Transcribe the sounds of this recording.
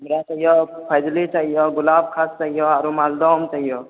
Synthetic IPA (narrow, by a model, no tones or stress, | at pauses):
mɾat͡ʃaɦijɔpʰəjd̪lit͡ʃaːɦijɔɡʊlab̚kʰast͡ʃaɦijɔaɾomald̪ɔmt͡ʃaɦijɔ